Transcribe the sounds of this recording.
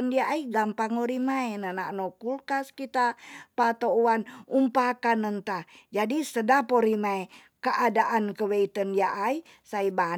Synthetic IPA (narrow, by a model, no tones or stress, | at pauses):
əndiaʔaiɡampaŋoɾimaenananokulkaskit̪apat̪ouanumpakanənt̪ad͡ʒadisədapoɾimae | kəʔadaʔankəweit̪əndiaʔai | saiba